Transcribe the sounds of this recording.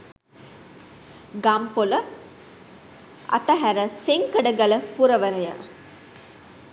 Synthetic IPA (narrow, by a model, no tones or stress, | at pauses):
ɡampolə | ɐ̰t̪əɦæɾəseŋkəɖəɡɐləpuɾəʋəɾəja̰